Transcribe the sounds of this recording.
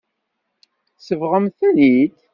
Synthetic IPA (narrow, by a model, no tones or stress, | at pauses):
səvʁəmθænid̪